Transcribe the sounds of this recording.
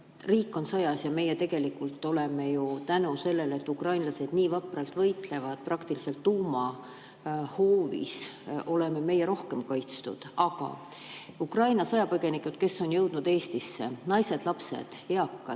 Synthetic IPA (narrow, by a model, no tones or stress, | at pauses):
riːkːˑo̞nsɤjɑsjɑme̞jet̪e̞ɡ̥e̞likːˑult̪ːˑo̞le̞me̞jut̪ænuse̞lːe̞le̞t̪ːukrɑjnlɑse̞d̪̥niːvɑprɑlt̪vɤjt̪ˑle̞vɑd̪̥̚prɑkt̪ilise̞lt̪ːuːmɑ | ho̞ːvḭso̞le̞me̞me̞jːeɾo̞hke̞mkɑjt̪st̪ṵd̪̥ɑɡ̥ɑ̰ | ukrɑjnɑsɑjɑpɤɡe̞nikːˑud̪̥̚ke̞sːo̞njɤwd̪̥nud̪e̞ːst̪isːe̞̰nɑjse̞d̪̥lɑpse̞̰d̪̥e̞ɑkːɑ